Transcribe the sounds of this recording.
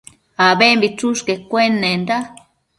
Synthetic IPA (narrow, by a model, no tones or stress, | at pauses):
aβembit͡suʃkekʷenẽnd̪a